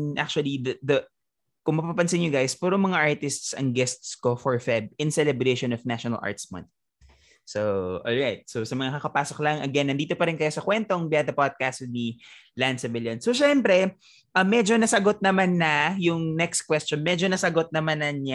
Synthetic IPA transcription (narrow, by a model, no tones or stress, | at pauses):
ʔak̚t͡ʃʊɐlid̪ɐd̪ɐ | kʊŋmɐpapɐnsɪnjoɡajspuːɾoŋmɐŋaʔaɹt̪ɪst̪sɐ̰ŋɡɛst̪skofɔɹfɛb̚ɪnsɛlɛbɾeʃonɔfnaʃonɐlʔa̰ɹt̪smɐ̰̃nt̪̚ | sowʔolɹajt̪̚sowsɐmɐŋakɐkɐpaːsoklɐŋʔɐɡɛnːɐnd̪iːt̪opɐɾɪnkɐjosɐkwɛnt̪oŋbɪad̪ɐpad̪̚kast̪̚ni | lansɪvɪljɐnsoʃɛmpɾɛ | ʔɐmːɛd͡ʒo̞nɐsɐɡo̞t̪̚nɐmanːɐjʊŋnɛkst̪̚kwɛst͡ʃonmɛd͡ʒonɐsɐɡot̪̚nɐmanɐna